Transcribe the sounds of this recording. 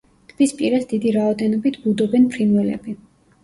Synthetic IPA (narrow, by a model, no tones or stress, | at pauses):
t̪ʰb̥ispʼiɾasd̪id̪iɾaɔd̪ɛnɔbit̪ʰbud̪ɔbɛnpʰɾinwɛlɛ̰bi